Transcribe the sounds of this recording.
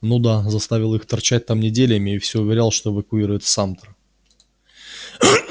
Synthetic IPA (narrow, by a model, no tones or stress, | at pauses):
nud̪azɐst̪avʲɪlˠixt̪ɐrt͡ɕæt̚ʲt̪amnʲɪdʲelʲɪmʲɪːfsʲoʊvʲɪɾʲalˠʂt̪oɪvəkʊiɾʊjɪt̪samt̪ɾ